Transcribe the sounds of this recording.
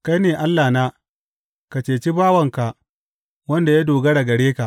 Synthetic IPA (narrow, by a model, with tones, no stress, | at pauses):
ka˦jneː˨ʔa˦lːaː˨naː˦ | ka˨t͡ʃeː˨t͡ʃi˦baː˦wɐ˨ŋka˨ʔ | wɐ˦nda˨ja˦doː˨ɡɐ˦ɽɐ˨ɡɐ˨ɽeː˦ka˨ʔ